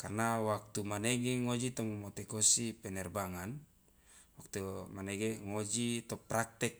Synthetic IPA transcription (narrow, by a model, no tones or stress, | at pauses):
karnawak̚t̪umaneɡeŋod͡ʒit̪ɔmumot̪ɛkosipɛnɛrbaŋan | wak̚t̪umanɛɡeŋod͡ʒit̪ɔpɾak̚t̪ɛk̚